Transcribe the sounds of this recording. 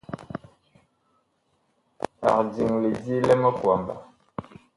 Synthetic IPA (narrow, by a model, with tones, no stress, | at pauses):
a̰˨di˨ŋle˨di˦lɛ˦mə˦kwa˨mba̰˨